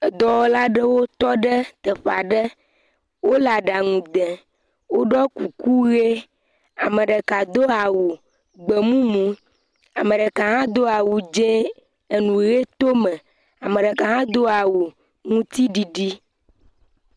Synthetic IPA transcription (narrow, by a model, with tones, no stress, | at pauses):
ə˨d̪ɔ˨wɔ˦la˦ɖə˦wo˦t̪ɔ˦ɖə˦t̪ə˨ɸa˨ɖə˦ | wo˦la˨ɖa˨ŋũ˨d̪ɛ̃˨ | wo˦ɖɔ˦ku˨ku˦ɣe˦ | a˨mə̃˨ɖə˨ka˨d̪o˦a˨wu˨ | ɡ͡bə˨mũ˦mũ˨ | a˨mə̃˨ɖə˨ka˨ɦã˦d̪o˦a˨wu˨d͡ʒẽ˦ | e˨nũ˨ɣe˦t̪o˦mə̃˨ | a˨mə˨ɖə˨ka˨ɦã˦d̪o˦a˨wu˨ | ŋũ˦t̪i˦ɖi˨ɖi˦